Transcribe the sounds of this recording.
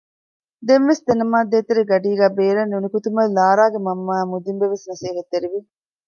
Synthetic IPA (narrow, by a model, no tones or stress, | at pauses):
d̪enʋesd̪enɐmaːd̪eːt̪eɾeɡɐɖiːɡæːbeːɾɐnːunikut̪umɐllːaːɾaːɡemɐmːaːmud̪imbeʋesnɐsiːɦɐt̪ːeɾiʋi